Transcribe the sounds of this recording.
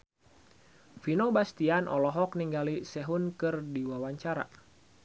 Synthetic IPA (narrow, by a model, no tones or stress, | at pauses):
finobast̪ianɔlɔɦɔk̚niŋɡalisɛɦunkɨrdiwawaɲt͡ʃaɾa̰